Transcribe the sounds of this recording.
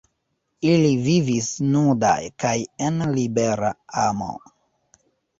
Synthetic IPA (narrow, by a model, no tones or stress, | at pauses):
ilivivisnuda̰jkajenlibeɾa̰amo̰